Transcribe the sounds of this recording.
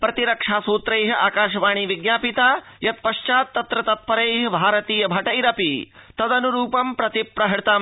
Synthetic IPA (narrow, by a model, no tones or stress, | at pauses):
pɾɐt̪iɾɐkʂaːsuːt̪ɾɐjɦiʔaːkaːʃɐʋaːɳ̃iʋiɡnaːpit̪aː | jɐt̪̚pɐʃt͡ʃaːt̪ːɐt̪ɾɐt̪ɐt̪̚pɐɾɐjɦɐbʱaːɾɐt̪iːjɐbʱɐʈɐiɾɐpit̪ɐd̪ɐnuɾuːpɐmpɾɐt̪ipɾɐɦɐt̪aːm